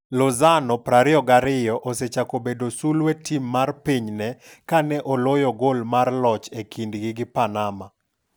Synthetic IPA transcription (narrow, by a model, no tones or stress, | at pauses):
lɔzanɔpɾaɾɪɔɡaɾɪjɔʔoset͡ʃakobedosulwetʰimːarpiɲnɛkanɛʔɔlojɔɡolmarlɔt͡ʃekʰindɡɪɡɪpanama